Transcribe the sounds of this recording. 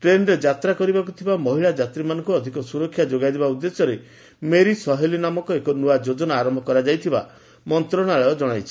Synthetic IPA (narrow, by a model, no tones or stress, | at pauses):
ʈɾenɾed͡ʒat̪ɾakɔɾibakut̪ʰibamɔɦiɭad͡ʒat̪ɾimanɔ̃ŋkuɔd̪ʱikɔsuɾɔkʰːjad͡ʒoɡajd̪ebaud̪ːesɔɾe | meɾisɔɦelinamɔkɔekɔnuad͡ʒod͡ʒɔnaːɾɔmbʱɔkɔɾad͡ʒajt̪ʰiba | mɔnt̪ɾɔɽ̃aɭajɔd͡ʒɔɽ̃ajt͡ʃʰi̥